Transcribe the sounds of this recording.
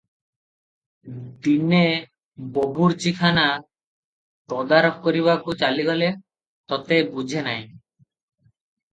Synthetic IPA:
d̪ine | bobʱuɾt͡ɕikʰana | pɔd̪aɾp̚koɾiβakut͡ɕaliɡole | t̪ɔt̪ebud͡ʑʱenaj

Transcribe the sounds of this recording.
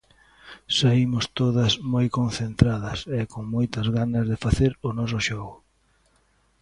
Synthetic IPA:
saimʊst̪oðɐsmojkonθent̪ɾaðɐsɛkoŋmojt̪ɐzɣanɐzðɪfaθeɾʊnɔs̬ʊʃɔɣʊ

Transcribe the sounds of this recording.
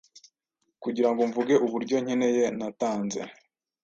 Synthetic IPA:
kuɟiɾaŋɡoɱvuɡe̞ʔuβuɾɟo̞ɲ̥ene̞je̞nataːnze̞̰

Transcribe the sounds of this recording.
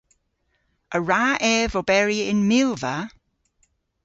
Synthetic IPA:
ʔəɹaːʔɛːvɔbɛɹiɪnmɪlˠvə

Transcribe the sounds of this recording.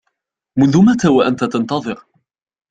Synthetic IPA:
mʊnðʊmat̪awaʔant̪at̪ɑnt̪ɑðˤɨɾ

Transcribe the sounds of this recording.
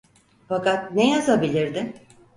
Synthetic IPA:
fakat̪̚nejazabilʲiɾd̪ɪ

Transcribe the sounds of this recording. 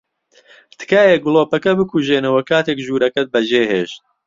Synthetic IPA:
t̪ʰɨ̥kaːjeɡɨloːpɐkɐbɨkuʒeːnɐwɐkaːt̪eːkʒuːɾɐkɐt̪̚bɐʒeːɦeːʃt̪̚

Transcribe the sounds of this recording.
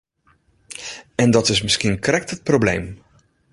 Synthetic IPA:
ɛndɔtɪs̬mɪskiənkrɛk̚tət̚prowblḛjm

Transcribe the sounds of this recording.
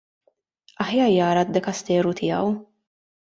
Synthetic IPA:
ɐħjɐːɾjɐːɾɐd̪ːɛkɐst̪ɛːɾut̪ʰɪːɐ̰w

